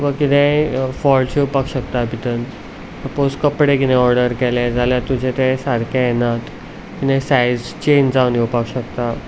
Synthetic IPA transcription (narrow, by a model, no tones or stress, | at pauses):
ʋəkit̪ɛ̃fɔlt͡ɕeupakɕəkt̪abʱit̪ən | əposkəpɽekit̪ɛ̃ɔɾɖəɾkɛlɛd͡zʱaljat̪ud͡ʑʱet̪ɛ̃saɾkʰajenat̪ | kit̪ɛ̃sajd͡zt͡ɕend͡zaunjewpakɕəkt̪a